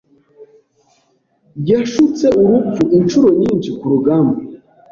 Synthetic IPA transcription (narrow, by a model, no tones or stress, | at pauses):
ɟaʃut͡seuɾucuʔint͡ʃuɾoɲiːnt͡ʃikuɾuɡambo